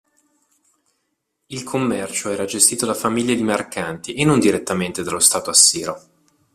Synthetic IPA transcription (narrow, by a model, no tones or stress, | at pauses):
ilkʰomːɛrt͡ʃoɛːɾad͡ʒest̪iːt̪od̪afamiʎːed̪imerkant̪iʔenːond̪iɾet̪ːament̪ed̪alost̪aːt̪oasːiːɾo